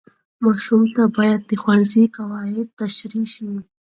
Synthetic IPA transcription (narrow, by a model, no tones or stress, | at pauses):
mɑʃumt̪abɑjad̪̚ːəxwanzikawɑɪd̪̚t̪aʃɾiʃi